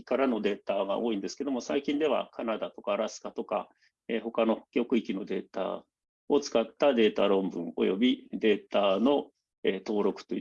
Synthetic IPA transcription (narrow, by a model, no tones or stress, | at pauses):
kaɾano̞d̪e̞ːt̪aɡa̰ʔo̞ːĩnd̪e̞sɨ̥ke̞d̪o̞mo̞saikʲĩnd̪e̞β̞a̰kʰanad̪at̪o̞kaɾasɨ̥kat̪o̞ka̰ | eːho̞kano̞kʲo̞kɯ̟ikʲino̞d̪e̞ːt̪a̰ | o̞t͡sɨ̥kat̪ːad̪e̞ːt̪aɾõ̞mbɯ̟̰̃ŋo̞̰jo̞bʲid̪e̞ːt̪ano̞ | et̪o̞ːɾo̞kɯ̟̥t̪o̞